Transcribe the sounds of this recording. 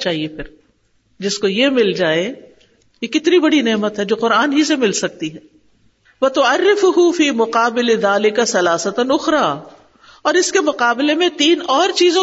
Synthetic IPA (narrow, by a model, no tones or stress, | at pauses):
t͡ʃaːɦiepʰɪɾ | d͡ʒɪskojemɪld͡ʒaːe | jekɪt̪nibɐɽineːmət̪ɦɛd͡ʒoːqʊɾaːnɦisemɪlsɐk̚t̪iɦɛː | ʋɐt̪ʊɐrːɪfʊɦʊfiːmʊqaːbɪlɪðaːlɪkasɐlaːsɐt̪nʊxɾaː | ɔːɾɪskemʊqaːbɪlemẽt̪iːnɔːɾt͡ʃiːzõ